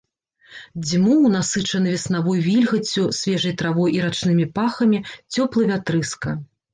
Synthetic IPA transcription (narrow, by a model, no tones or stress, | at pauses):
d͡zʲimuwnasɨt͡ʂɐnɨvʲɛsnavɔjvʲilʲɣɐt͡sʲːusʲvʲɛʐɐjt̪ɾavɔjiɾat͡ʂnɨmʲipaxɐmʲit͡sʲɔplˠɨvʲat̪ɾɨskɐ